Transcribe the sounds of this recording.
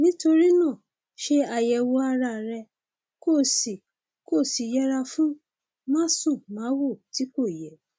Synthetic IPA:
nĩ˦to˧ɾi˦nã˦˨ | ʃe˧a˨jɛ˨wo˧a˧ɾa˧˨ɾɛ˧ | ko˦˨si˨ | ko˦˨si˨jɛ˦ɾa˧fũ˦ | mã˦sũ˦˨mãː˨˦wo˦˨ti˨˦ko˦˨jɛ˨

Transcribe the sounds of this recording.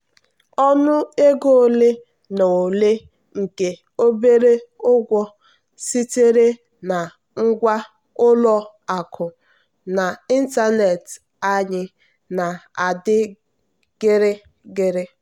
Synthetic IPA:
ɔ˦nʊ˦e˦ɡo˦o˨le˦ | no˨o˨le˦ | ŋ̩˨ke˨ | o˦be˦ɾe˦ʊ˦ɡʷɔ˦ | si˦te˦ɾe˦ | na˨ | ŋ̩˦ɡʷa˦ | ʊ˦lɔ˦ | a˨kʰʊ˨ | na˨i˦n̩˦ta˦ne˨t | a˦ɲɪ˦ | na˨a˨dɪ˦ | ɡ̥ɪ˦ɾɪ˦ | ɡɪ˦ɾɪ˦

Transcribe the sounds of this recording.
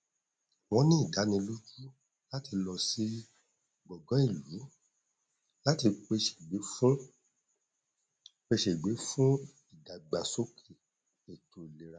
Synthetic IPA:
wɔ̃˧nĩ˦i˦˨da˨˦nĩ˧lu˦d͡ʒu˦ | la˦ti˧lɔ˧si˦ | ɡ͡bɔ˨ɡɔ̃˨˦i˦˨lu˨˦ | la˦ti˧k͡pe˧ʃe˨ɡ͡be˨˦fũ˦ | k͡pe˧ʃe˨ɡ͡be˨˦fũ˦ | i˨da˨ɡ͡ba˨so˦kʰe˦˨ | e˨to˨le˨˦ɾa˧˦

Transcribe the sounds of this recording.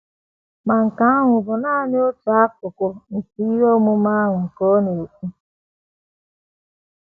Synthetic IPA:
ma˨ŋ̩˨ka˨˦a˦ŋʷʊ˨bʊ˨naː˦˨n˦o˦tu˨a˦k̚ʊ˨kʊ˨n̩˨ti˦i˦ɾo˦mʊ˦ma˦a˦ŋʷʊ˨ŋ̩˨ko˦no˨o˨kʷu˦

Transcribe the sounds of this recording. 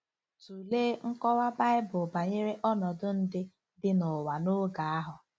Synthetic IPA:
tu˨leː˦ŋ̩˦kɔ˦wa˦ba˦ɪ˦bʊ˨ba˨ɲe˦ɾe˦ʔɔ˦nɔ˨dʊ˦n̩˦dɪ˦ | dɪ˦nʊ˨wa˨no˦ɡa˨a˦ɦʊ˨

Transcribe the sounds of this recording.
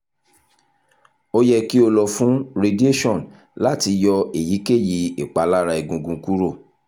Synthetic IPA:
o˦jɛ˧ki˦o˧lɔ˧fũ˨˦ɾe˧di˦e˦ʃɔ̃˦˨n | la˦ti˧jɔ˧e˨ji˨˦ke˦˨ji˨˧e˨k͡pa˨˦la˦ɾa˧i˨ɡũ˨ɡũ˨˧ku˦ɾo˦˨

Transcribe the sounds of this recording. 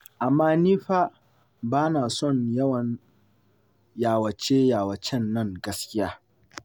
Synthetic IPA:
ʔa˨mːaː˦niː˦ɸaː˦ | baː˦naː˨sɔ˦˨ɲjɐ˦wɐ˨ | jaː˨wɐ˨t͡ʃeː˦jaː˨wɐ˨t͡ʃɛ˦nːɐ˦˨ŋɡɐ˦skʲɪ˦jaː˦

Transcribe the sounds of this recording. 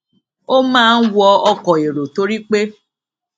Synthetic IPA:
o˦mãː˦˧n̩˦wɔ˧ɔ˧kɔ˨e˨ɾo˨to˦ɾi˦k͡pe˦

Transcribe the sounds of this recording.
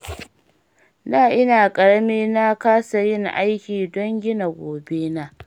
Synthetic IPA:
naː˦˨ʔɪ˦naː˨kʼɐ˨ɽɐ˦meː˦na˦kaː˦sa˨jɪ˦˨ŋʔa˦jkʲiː˨dɔ˦ŋɡʲɪ˦na˨ɡʷoː˨be˦na˦

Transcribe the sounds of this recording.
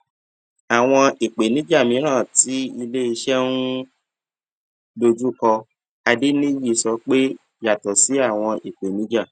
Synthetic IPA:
a˨w̃ɔ̃˧i˨k͡pe˨nĩ˨˦d͡ʒa˦˨mĩ˨˦ɾ̃ã˦˨ti˨˦i˧le˦i˧ʃɛ˦nũ˦ | lo˧d͡ʒu˦kɔ˧ | a˧di˦nĩ˦ji˦˨sɔ˨˧˦k͡pe˦ | ja˨tɔ˨si˨˦a˦˨w̃ɔ̃˧ʔi˨k͡pe˨nĩ˨˦d͡ʒa˦˨

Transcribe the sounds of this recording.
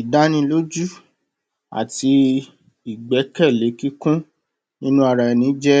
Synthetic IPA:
i˨da˦nĩ˧lo˦d͡ʒu˦˨ | a̰˨ti˧ | i˨ɡ͡bɛ˨˦kɛ˦˨le˨˦ki˦kũ˦ | nĩ˦nũ˦a˧ɾa˧ɛ˧˨nĩ˨˦d͡ʒɛ˦

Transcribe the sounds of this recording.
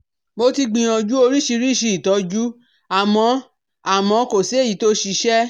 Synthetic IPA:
mo˧ti˧ɡ͡bĩ˧j̃ɔ̃˧d͡ʒu˦o˧ɾi˦ʃi˧ɾi˦ʃi˧˦i˨tɔ˨˦d͡ʒu˦ | a˦˨mɔ̃˧˦ | a˦˨mɔ̃˧˦ko˦˨si˨˦e˦˨i˨˦to˦ʃi˧ʃɛ˦

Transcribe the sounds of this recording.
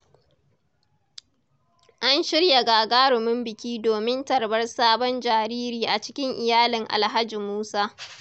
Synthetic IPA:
ʔa˦nʃɪ˦ɽja˨ɡaː˨ɡaː˦ɽʊ˨mɪ˦mbɪ˨kʲiː˦doː˨mɪ˦ntɐ˨rbɐ˦rsaː˦bɔ˦nd͡ʒaː˨ɾiː˦ɾiː˨ʔa˨t͡ʃɪ̥˦kʲɪ˦ŋʔɪ˨jaː˦lɪ˨ŋʔa̰˨lɦa˦d͡ʒi˨muː˦saː˦

